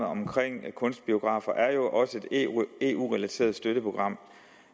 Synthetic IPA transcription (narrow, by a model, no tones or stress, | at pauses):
ɒmkʰʁeŋ̰kʰɔ̽nsd̥̚b̥io̝ɡ̥ʁɑ̰̈fɐʔæɐjo̝ʔɒ̽səe̝d̥e̝ṵːʁɛlæt͡sʰe̝̰ːɐð̞̩ˠsd̥øɾəpʰʁo̝ɡ̥ʁɑ̈m̰